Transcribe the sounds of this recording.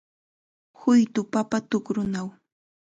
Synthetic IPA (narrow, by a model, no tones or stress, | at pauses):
hʊjt̪ʊpapat̪ʊkɾʊnaw